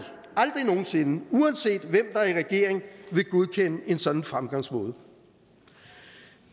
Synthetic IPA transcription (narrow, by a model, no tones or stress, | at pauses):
ɑ̈ld̥ʁino̝ːn̩se̝nəuɛnse̝̰ːd̥ʋem̰d̥ɑ̈æɐiʁɛɡ̥e̝ɐe̝ŋʋe̝ɡ̥oð̞ˠkʰenəe̝nsɒ̽d̥n̩fʁamɡ̥ɑ̈ŋ̰smɔ̽ːð̞ˠ